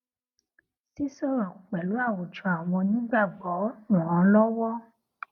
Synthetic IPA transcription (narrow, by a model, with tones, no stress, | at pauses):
si˦sɔ˦˨ɾɔ̃˨ku˨k͡pɛ˨lu˨˦a˦˨wu˨t͡ʃɔ̃˨a˨w̃ɔ̃˧nĩ˦ɡ͡ba˦˨ɡ͡bɔ˨˦nũ˨ɾã˧˦lɔ˦wɔ˦